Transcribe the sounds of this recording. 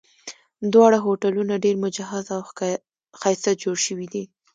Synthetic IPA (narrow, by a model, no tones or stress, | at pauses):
d̪wɑɽaɦoʈalunaɖeɾmʊd͡ʒaɦazaw | xɑjsat̪̚d͡ʒoɽʃəwid̪i